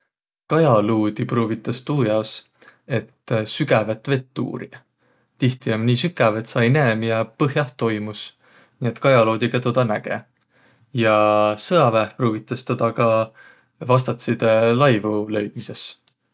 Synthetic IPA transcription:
kɑjɑluːd̪ipruːɡ̥it̪ːˑɑst̪uːjɑos | e̞t̪ːsyɡ̥ævet̪ːˑve̞t̪ːṵːɾi | t̪iht̪iomniːsykːˑæve̞t̪sɑjneːmjɑpɤɦjɑht̪ːo̞jmus | niːe̞t̪kɑjɑloːd̪̥iɡ̥ɑt̪o̞d̪̥ɑnæɡ̥e̞̰ | jɑsɤɑvæhpruːɡ̥it̪ːˑɑst̪od̪̥ɑkɑ | vɑst̪ɑt̪sid̪elɑjvulø̞jd̪̥mise̞s

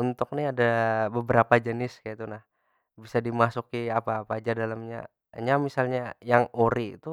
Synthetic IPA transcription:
unt̪ʊk̚niadabəbəɾapad͡ʒənɪskajat̪unah | bisadimasukiapaːpad͡ʒadalamɲa̰ | ɲamisalɲajaŋoɾiːt̪u

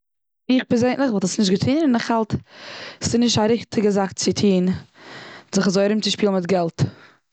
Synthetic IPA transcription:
ɪχpɛzeɪnlˠɪχvɔlˠtasnɪʃtɡɪtʰiːnɪnɪχhalˠt | sɪnɪʃtaɾɪχtʰɪɡəzakt͡sɪtʰiːn | zɪχazoɪɾɪmt͡sɪʃpiːlˠnmɪtɡɛlˠt

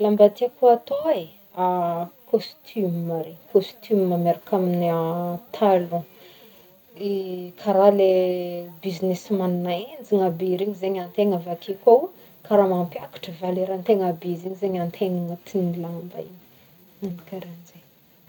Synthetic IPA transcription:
lambat̪iakuat̪oe | akost̪ʰymmaɾekost̪ʰymːameɾakʰaminiat̪ʰalõ | ikʰaɾalebizinesmanunaend͡ziŋabiɾeɲizeɲant̪eŋavakikaw | kaɾamampjakḁʈ͡ʂəvaleɾant̪eŋabizeɲizeɲant̪ʰeŋaŋat̪ʰinilambaiɲ | nanikaɾand͡ʒe

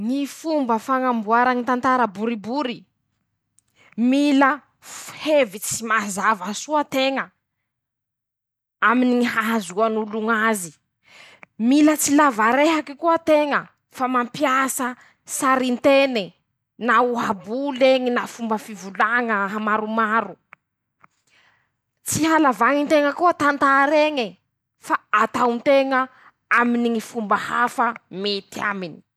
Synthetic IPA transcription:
ŋifumbəfaŋambuaɾaŋit̪ant̪aɾəbuɾibuɾi | milə | fhevit͡simazavasuat̪eŋə | aminiɦaɦazuanuluŋazi | milət͡silavaɾeɦakikuat̪eŋə | famampjasə | saɾint̪ene | nauɦabuleŋinafumbəfivulaŋəɦamaɾumaɾu | t͡siɦalavaŋint̪eŋəkuat̪ant̪aɾeŋi | faat̪awnt̪eŋə | aminiŋifumbəha̰fəmet̪ia̰mini̥

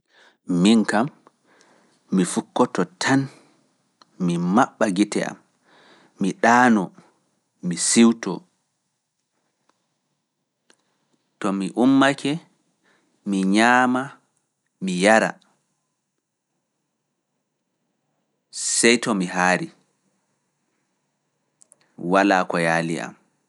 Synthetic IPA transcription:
miŋkam | ifukːɔtɔtʰan | mimaɓːaɡitɛ̰a̰mː | iɗaːnɔ | misiwtɔ | tɔmiʔumːakʰɛ | miɲaːma | mijaɾa̰ | sɛjtɔmiɦaːɾi | walaːkɔjaːlḭa̰m

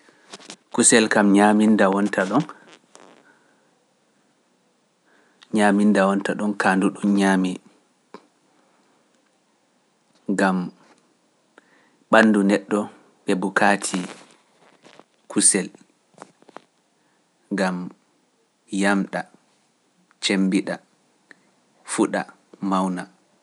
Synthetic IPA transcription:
kusɛlkamɲamindawɔntaɗɔn | ɲaːmindawɔntaɗɔnkʰaːnduɗɔnɲaːmi | ɡam | ɓanːdunɛɗːɔ | ɓɛbukʰaːtʰi | kʰusɛl | ɡam | jamɗa | t͡ʃembiɗa | fuɗa̰ | mawna

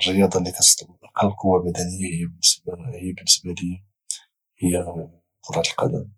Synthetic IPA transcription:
rəjɑd̪ˤɑlikæt̪st̪əlqʰɑllqʰʊwːamæd̪ænəjːahəjːabənːəsbhəjːabənːəsbæli | həjːa | mʊɾˤɑt̪əlqɑd̪ə̰m

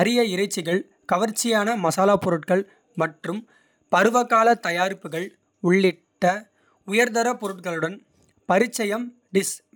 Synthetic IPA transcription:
ɐɾɪjɐɪɾɐɪt͡ʃːɪɣɐɭ | kɐʋɐɾt͡ʃːɪjaːnɐmɐsaːlaːpːɔɾɯʈkɐɭ | mɐʈrɯm | pɐɾɯʋɐkːaːlɐt̪ɐjaːɾpːɯɣɐɭ | ʊɭːɪʈːɐ | ʊjɐɾðɐɾɐpːɔɾɯʈkɐɭɯɽɐn | pɐɾɪt͡ʃːɐjɐm | ɖɪs

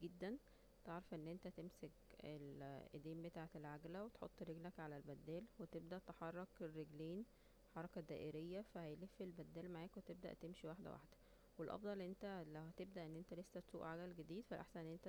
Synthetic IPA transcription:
ɡed̪ːæn | t̪eʕɾɑfʔenːʔent̪æt̪emsek | ḛlʔed̪eːmbet̪aːʕet̪elʕaɡlæwet̪ħo̰t̪ˤːɾeɡlækʕalælbæd̪ːæːlwet̪ebd̪æʔt̪eħɑrˤːɑkerːeɡleːn | ħɑɾˤɑkæd̪æːʔeɾejːæfæhæjlefːelbæd̪ːæːlmaʕaːkwet̪eb̚d̪æ̰ʔt̪emʃiwaħd̪æ̰wa̰ħd̪æ̥ | welʔɑ̰fd̪ˤɑlʔent̪ælæwhæt̪eb̚d̪æʔenːʔent̪ælesːæt̪sṵːʔʕaɡælɡed̪iːd̪fælʔa̰ħsænʔenːʔent̪æ

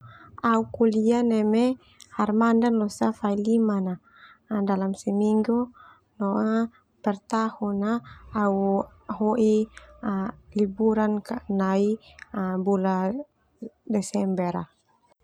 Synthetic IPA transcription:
aukulianɛmɛ | harmandanlɔsafailimana | dalamsɛmiŋɡu | nɔa | pɛrt̪ahɔnaːu | ɦɔʔi | libuɾankanai | bula | dɛsɛmbɛɾa

